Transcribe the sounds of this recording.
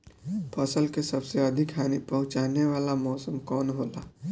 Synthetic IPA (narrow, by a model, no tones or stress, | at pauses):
pʰɐsəlkesɐbseɐd̪ʱɪkɦaːnipɐɦʊt͡ʃaːneʋaːlamɔːsəmkɔːnɦoːla̰ː